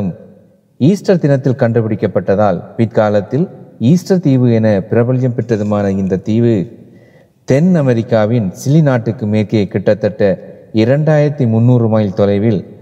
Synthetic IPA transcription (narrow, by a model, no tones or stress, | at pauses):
ɯm | iːsʈɐɾd̪ɪnɐt̪ːɪlkɐɳɖɯpɪɽɪkːɐpːɐʈːɐðaːlpɪt̪̚kaːlɐt̪ːɪliːsʈɐɾt̪iːʋɯɛnɐpɪɾɐbɐlɪjɐmpɛʈrɐðɯmaːnɐɪnd̪ɐt̪iːʋɯ | t̪ɛnɐmɛɾɪkːaːʋɪnsɪlinaːʈːɯkːɯmeːɾkeɐkɪʈːɐt̪ːɐʈːɐɪɾɐɳɖaːjɪɾɐt̪ːimʊnːuːrɯmaːjt̪ɔlɐɪʋɪl